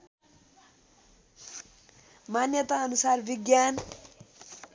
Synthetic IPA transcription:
manːjət̪aːnusaːrviɡjaːn

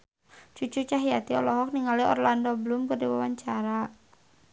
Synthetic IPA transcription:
t͡ʃut͡ʃut͡ʃaɦiat̪iɔlɔɦɔk̚niŋaliɔ̰rlandɔbəlʊmkərdiwawaɲt͡ʃaɾa

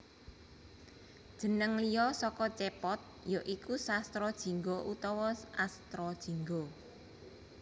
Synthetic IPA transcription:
d̥ʒ̥ə̤nəŋlijɔsɔkɔt͡ʃepɔt̪̚ | joʔikusast̪ɾɔd̥ʒ̥i̤ŋɡoʔut̪ɔwɔast̪ɾɔd̥ʒ̥i̤ŋɡo

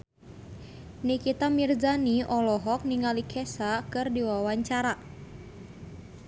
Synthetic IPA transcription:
nikit̪amird͡ʒaniʔɔlɔɦɔk̚niŋalikʰɛsakɨrdiwawaɲt͡ʃaɾa

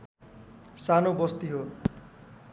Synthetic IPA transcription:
sanobʌst̪iɦo

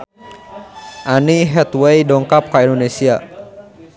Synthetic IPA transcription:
ʔaniɦɛt̪wejdɔŋkap̚kaindonesia

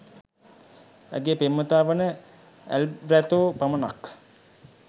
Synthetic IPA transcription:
æ̰ɡepemːət̪aːʋənə | æ̰lɾæt̪oːpamənak

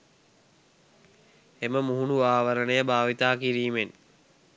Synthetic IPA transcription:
eməmuɦunuaːʋəɾənəjəbʱaːʋit̪aːkiɾiːmen

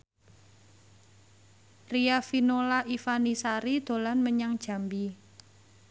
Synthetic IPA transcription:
riafinolaʔifanisaɾid̪̥o̤lanməɲaŋd̥ʒ̥a̤mbi

